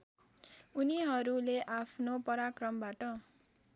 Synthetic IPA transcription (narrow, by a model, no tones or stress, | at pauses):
uniɦʌɾuleʔapʰnopʌɾakrʌmbaʈʌ